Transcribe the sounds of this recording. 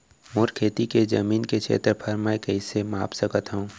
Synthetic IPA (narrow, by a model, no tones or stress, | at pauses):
mʊɾkʰeːt̪iked͡ʒɐmiːnket͡ʃʰḛːt̪ɾəpʰəɾməkɐisema̰ːpsəkət̪ɦoũ